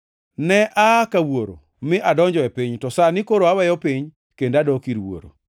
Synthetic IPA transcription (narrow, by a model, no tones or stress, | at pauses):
nɛʔakawoɾo̰ | mɪʔadɔɲd͡ʒɔɛpiɲtɔsanɪkoɾoawɛjɔpiɲ | kendadɔkiɾwo̰ɾo̰